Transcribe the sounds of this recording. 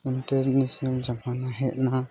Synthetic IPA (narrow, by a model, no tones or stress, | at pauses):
inʈaɾnɛsnald͡ʒamanaɦɛt̪̚na